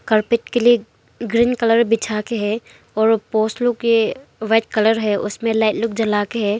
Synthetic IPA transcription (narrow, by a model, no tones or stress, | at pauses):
kəɾpɪʈkelie | ɡɾiːnkɐləɾbɪt͡ʃʰaːkeɦɛ | ɔːɾpoːslʊkjeʋɛːʈ̚kɐləɾɦɛʔʊsmẽlaːɪʈlʊk̚d͡ʒɐlaːkeɦɛː